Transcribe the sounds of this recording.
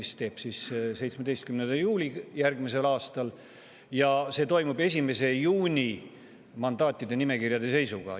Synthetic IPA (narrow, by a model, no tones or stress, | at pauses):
ist̪e̞ːb̥sisse̞jt̪smed̪e̞jst̪̚kymnend̪̥ɑjuːlʲijærɡmis̬e̞lɑːst̪ɑl | jɑse̞ːt̪o̞jmube̞s̬ʲime̞se̞juːnʲi | mɑnd̪̥ɑːt̪ˑːid̪e̞nime̞kirjɑd̪e̞s̬e̞jsuɡ̥ɑ̰